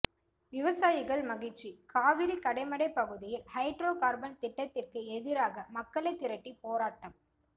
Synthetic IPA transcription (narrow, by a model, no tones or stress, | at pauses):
ʋɪʋɐsaːjɪɣɐɭmɐɣɪʈt͡ʃːikaːʋɪɾikɐɽɐɪmɐɽɐɪpːɐɣɯðɪjɪlhɐɪʈɾoːkaːɾbɐnt̪ɪʈːɐt̪ːɪrkɯɛðɪɾaːɣɐmɐkːɐɭɐɪt̪ːɪɾɐʈːipoːɾaːʈːɐm